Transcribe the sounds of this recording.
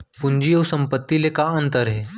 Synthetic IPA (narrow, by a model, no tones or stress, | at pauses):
puɲd͡ʑiowsəmpət̪ːilekaənt̪əɾɦe